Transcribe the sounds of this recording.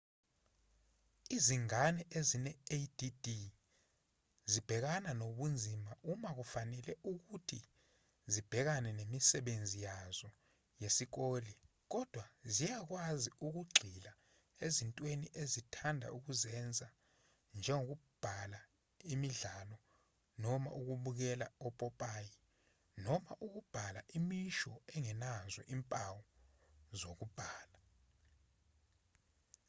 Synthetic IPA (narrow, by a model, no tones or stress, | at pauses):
iziŋanɛʔezinɛedidi | zib̥ʱɛk̬ananoɓund͡zʱimaumak̬ufanɛlɛʔuk̬utʰi | zib̥ʱɛk̬anɛnemisɛɓend͡zʱijaz̥ɔ | jesik̬oːli | k̬ɔd̥ʱwazijak̬waziuk̬uɡ͡ǀʱila | ezintʼweniʔezitʰandʱa̰ʔuk̬uzɛnd͡zʱa | nd͡ʒʱɛŋok̬ub̥ʱala | imiɮalɔ | nɔma̰ʔuk̬uɓuk̬ɛlaɔpʼɔpʼaːji | nɔmaʔuk̬ub̥ʱala̰ʔimiʃɔɛŋɛnazɛ̰ʔimpʼawɔzok̬ub̥ʱaːla